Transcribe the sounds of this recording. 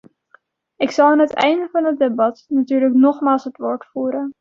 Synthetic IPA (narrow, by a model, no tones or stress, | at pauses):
ɪksɑlˠaːnɦətɛ̰jndəvɑnɦədebɑtnatyːɹləknɔχmaːlˠsɦətʋoːɹtfuːɾən